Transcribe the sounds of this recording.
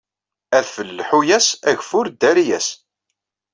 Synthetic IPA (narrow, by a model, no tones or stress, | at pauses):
æðfəlːħujæsæʝfʊɾd̪ːæɾijæs